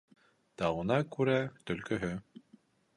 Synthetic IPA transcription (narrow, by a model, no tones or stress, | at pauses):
t̪ɑwunɑkʉɾæt̪ɵ̆lkɵ̆ɦɵ